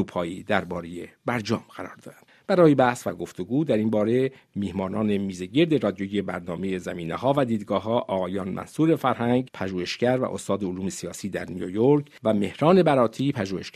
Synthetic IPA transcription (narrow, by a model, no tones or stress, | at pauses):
upʰɒːjiːd̪æɾbɒːɾejebæɾd͡ʒɒ̰ːmɡæɾɒ̰ːɾd̪ɒ̰ːɾænd̪b̥æɾɒːjebæhsvæɡo̞ft̪oɡuːd̪æɾinbɒːɾe̞ | miːhmɒːnɒːne̞miːzeɟe̞ɾd̪eɾɒːd̪ijojebæɾnɒːme̞je̞zæmiːnehɒːvæd̪iːd̪ɡɒːɦɒːʔɒːɣɒːjɒːnmʔæ̰nsuːɾe̞fæɾhæŋɟpʰæʒuːheʃɡæɾvæ̰ʔost̪ɒːd̪eoluːmesijɒːsiːd̪æ̰ɾnijojoɾkʰvæme̞hɾɒːne̞bæɾɒːt̪ʰiːpʰæʒuːheʃæ